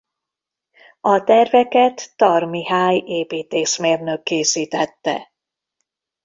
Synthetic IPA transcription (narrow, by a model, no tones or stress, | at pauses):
ɒt̪ɛrvɛkɛt̪ːɒrmiɦaːjeːpiːt̪eːʃmeːrnøkːeːsiːt̪ɛt̪ːɛ̰